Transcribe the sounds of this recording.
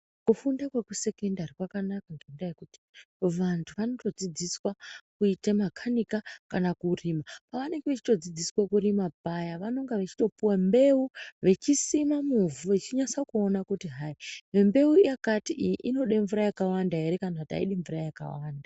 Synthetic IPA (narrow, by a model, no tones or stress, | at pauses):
kufundakwekuse̞kendarikwakanakaŋɡendajekuti̥ | ʋantʰuʋano̞to̞d͡zid͡ziswakuitamakʰanikakanakuriːmapaʋane̞ŋɡeʋet͡ʃi̥to̞d͡zid͡ziswakurimabʱajaʋano̞ŋɡaʋet͡ʃi̥to̞puwambe̞uʋe̞t͡ʃisimamuvuet͡ʃiɲasakuonakutiɦaimembe̞ujakatiʔijiʔino̞ɗeɱvuɾajakawandaɦe̞ɾekanata̰iɗeɱvurajaka̰waːnda